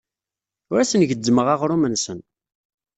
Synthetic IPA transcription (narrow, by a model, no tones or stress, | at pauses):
ʊɾæsənʝədːməʁaʁɾʊmənsən